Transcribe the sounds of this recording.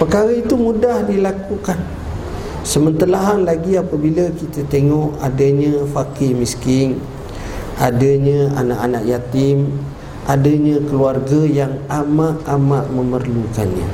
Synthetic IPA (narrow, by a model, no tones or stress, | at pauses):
pəkaɾait̪umudahdilakukan | səmənt̪əlaɦanlaɡiapəbiləkit̪ət̪eŋɔʔadaɲafakɪmiskɪŋ | adəɲaa̰naʔanaʔjat̪ɪm | adaɲakəluarɡajaŋamaʔamaʔməmərluka̰nɲa̰